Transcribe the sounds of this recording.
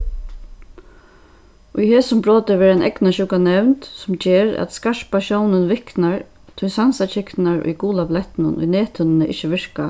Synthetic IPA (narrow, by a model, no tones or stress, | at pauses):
ʊjheːsʊmbɹoːt̪əʋɛːɾaɪnʔɛ̰knaɕʊkanɛʋnt̪sʊmt͡ʃeːɾæ̰t̪skaʂpaʃɔwnənʋɪhknaɹ | t̪ʰʊjsansat͡ʃɪknaɹʊ̰jkuːlaplɛht̪ɪnʊ̰nʔʊ̰jneːt̪ʰʊnɪnɪʔɪ̰t͡ʃːəʋɪɹka